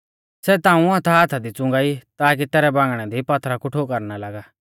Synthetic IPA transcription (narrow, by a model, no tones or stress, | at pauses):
sɛt̪ãːũɐt̪ʰaːt̪ʰad̪it͡sʊ̃ŋɡaːit̪aːkit̪ɛːɾɛbãːŋɡɽ̃ɛd̪ipɐt̪ʰɾakʊʈʰokɐɾnalaɡaː